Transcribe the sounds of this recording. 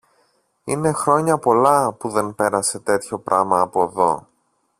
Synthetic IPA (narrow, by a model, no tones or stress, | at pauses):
ine̞xɾo̞ɲɐpo̞lɐpuðe̞npe̞ɾɐse̞t̪e̞t̪ço̞pɾʔɐmɐːpo̞ðo̞̰